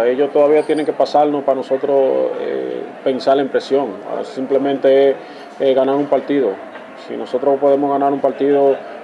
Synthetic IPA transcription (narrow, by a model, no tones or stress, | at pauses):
e̞ʎo̞st̪oðaβ̞iat̪je̞ne̞ŋkepasalnospano̞so̞t̪ɾo̞sḛpe̞nsalempɾe̞sjo̞ŋ̰simple̞mẽnt̪e̞e | eɣanaɾumpaɾt̪iðo̞ | sḭno̞so̞t̪ɾopo̞ðemozɣanaɾumpaɾt̪iðo